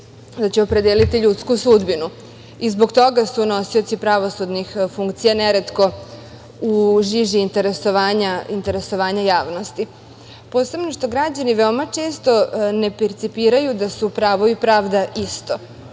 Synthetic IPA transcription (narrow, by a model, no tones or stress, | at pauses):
d̪at͡ɕeo̞pɾe̞d̪eːlit̪iʎut̪skusud̪binu | izbo̞kt̪o̞ɡasuno̞sio̞t̪sipɾaʋo̞sud̪nixfuŋkt̪sijaneɾet̪ko̞ | uʒiʒiːnt̪eɾesoʋaːɲaint̪e̞ɾe̞so̞ʋaːɲajaːʋno̞st̪i | po̞ːse̞bno̞ʂt̪o̞ɡɾad͡ʑaniʋeomat͡ʂe̞ːst̪o̞ne̞peɾt̪sipiːɾajud̪asupɾaːʋoʋipɾaːʋd̪aʔist̪o̞